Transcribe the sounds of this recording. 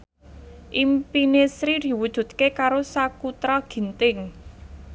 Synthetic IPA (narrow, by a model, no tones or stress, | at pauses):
ʔimpinesɾid̪̥i̤wud̥ʒ̥ṳt̪̚kekaɾosakut̪ɾaɡ̥i̤nt̪ɪŋ